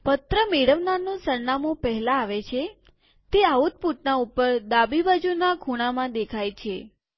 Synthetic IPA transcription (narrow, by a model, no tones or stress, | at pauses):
pət̪ɾəmeɽəʋnanũsəɾnamũpəɦɛlaːʋet͡ʃʰe | t̪eaut̪̚puʈnaupəɾd̪abibad͡ʒunakʰuɽ̃amãd̪ekʰajt͡ʃʰe